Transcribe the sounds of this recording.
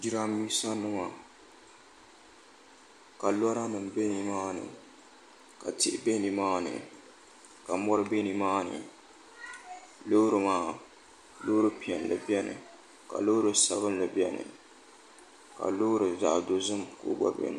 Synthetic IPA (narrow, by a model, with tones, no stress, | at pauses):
di˦ɾa˦mi˦sa˦nːɨ˦ma˨ | ka˨lɔ˦ɾa˦nɨ˨m˨be˦ni˨maː˦nɨ̰˨ | ka˨tɪ˦ʔbe˦ni˨maː˦nɨ̰˨ | ka˨mɔ˦ɾɨ˦be˦ni˨maː˦nɨ̰˨ | lo˦ɾɨ˨maː˦˨ | lo˦ɾɨ˦pi˨ɛ˨nlɨ̰˨bi˦ɛ˦nɨ̰˨ | ka̰˨lo˦ɾɨ˦sa˨βɨ˦nlɨ˨bɛ˦nɨ̰˨ | ka̰˨lo˦ɾɨ˨za̰˨ʔdo˨zɨ˦mko̰˦ɡ͡ba̰˦bḛ˦nɨ˨